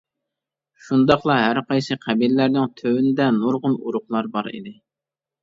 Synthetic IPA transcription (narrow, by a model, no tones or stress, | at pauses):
ʃund̪ɑχlˠɑɦæɾqɑjsɨqʰæbilɪlæɾnɪŋt̪ʰøwynɪd̪ɛnuɾʁʊnuɾʊχlˠɑɾbɑɾḭd̪ɪ